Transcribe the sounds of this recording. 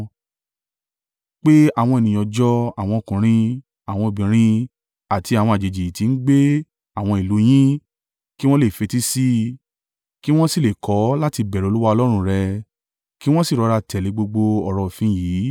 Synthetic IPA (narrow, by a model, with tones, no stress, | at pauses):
k͡pe˦a˦˨w̃ɔ̃˧e˨nĩ˧j̃ɔ˧d͡ʒɔ˦a˨w̃ɔ̃˧o˨kũ˨ɾ̃ĩ˧ | a˨w̃ɔ̃˧o˨bĩ˨ɾ̃ĩ˧ | a˨tʰi˧a˨wɔ̃˧a˨d͡ʒe˨d͡ʒi˨ti˨˧n̩˦ɡ͡be˦ | a˦˨w̃ɔ̃˧i˨lu˨˦j̃ĩ˦ | ki˦w̃ɔ̃˦le˦˨fe˧ti˦si˦ | ki˦w̃ɔ̃˦si˦˨le˨kʰɔ˨˦la˦ti˧bɛ˨ɾɛ˨˧˦u˦wa˦ɔ˧lɔ˦ɾ̃ũ˧˨ɾɛ˧ | ki˦w̃ɔ̃˦si˦˨ɾɔ˧ɾa˧tʰɛ˨li˨˧˦ɡ͡bo˧ɡ͡bo˧ɔ˨ɾɔ˧˨fĩ˨˦jiː˨˦